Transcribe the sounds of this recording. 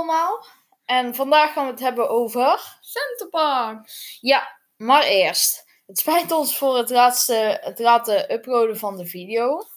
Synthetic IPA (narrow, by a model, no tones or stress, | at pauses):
lˠmaːlˠ | ɛnvɑndaːxaːnʋəətɦɛbənʔowvər | sɛntəpaːja | maːrɪːɹst | ɦətspɛjntɔnsfʊːrətlaːtstəətlaːtəʔɵprowdəvɑndəvidejow